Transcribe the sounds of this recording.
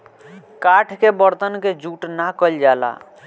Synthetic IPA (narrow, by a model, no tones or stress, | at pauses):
kaʈʰkebəɾt̪ənked͡ʒuʈnakəld͡ʒala̰